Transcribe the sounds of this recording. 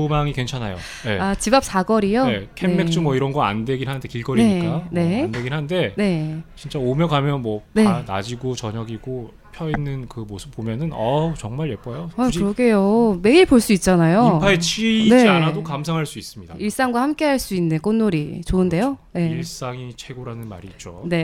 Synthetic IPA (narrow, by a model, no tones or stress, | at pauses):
umaŋikent͡ɕʰanajo̰ | je̞at͡ɕibap̚s͈ʰaɡʌɾijoekʰeeme̞k̚t͡ɕ͈umwʌiɾʌnɡʌa̰nde̞ɡinhanɯnde̞kiɭɡʌɾieɲik͈ane̞ndwe̞ɡinɦanɯnde̞ne̞t͡ɕint͡ɕ͈aomjʌkamjʌnmwʌneana̰d͡ʑiɡot͡ɕʌɲʌɡiɡo | pʰjʌinːɯnkɯmosʰɯ̥p͈ːomjʌnɯnʌt͡ɕʌŋmaɭjep͈ʌjoakɯɾʌɡe̞jome̞iɭpoɭs͈uit̚t͡ɕ͈anajopʰaet͡ɕʰine̞d͡ʑianadokamsʰaŋɦaɭs͈uis͈ɯmɲidaiɭs͈aŋɡwahamk͈e̞ɦaɭs͈uinːɯnk͈onːoɾit͡ɕoɯnde̞jone̞iɭs͈aŋit͡ɕʰwe̞ɡoɾanɯnma̰ɾiːt͡ɕ͈one̞